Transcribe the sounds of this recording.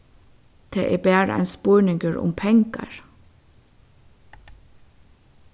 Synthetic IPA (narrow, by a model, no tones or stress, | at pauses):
t̪ʰeːʔeːbæːɾ̰æ̰nspɔːɳɪŋɡəɹʊ̰mpʰɛŋkɑ̰ɹ